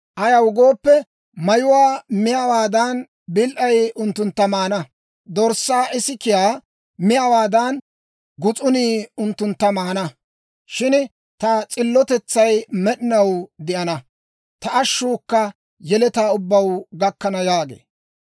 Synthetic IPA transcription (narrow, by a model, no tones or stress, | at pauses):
ʔɐjɐwʊɡo̞ːpːɛ | mɐjʊwaːmɪjɐwaːd̪ɐn | bɪlʔɐjʊnt̪ːʊnt̪ːɐmaːnɐ | d̪ɔɾsːaːʔɪsɪkɪjaː | mɪjɐwaːd̪ɐn | ɡʊt͡sʼʊniːʊnt̪ːʊnt̪ːɐmaːnɐ | ʃɪn | t̪ɐt͡sʼɪlːɔt̪ɛt͡sːɐjmɛɗɪnɐwd̪ɪʔɐnɐ | t̪ɐʔːʃːuːkːɐ | jɛlɛt̪aːʊbːɐwɡɐkːɐnɐjaːɡḛː